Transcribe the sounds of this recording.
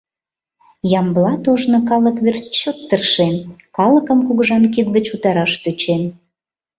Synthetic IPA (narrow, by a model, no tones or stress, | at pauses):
jɑmblɑt̪oʒnokɑləkβert͡ɕot̪ːərʃenkɑləkəmkuɣəʒɑnkid̪ɡət͡ɕut̪ɑɾɑʃt̪yt͡ɕen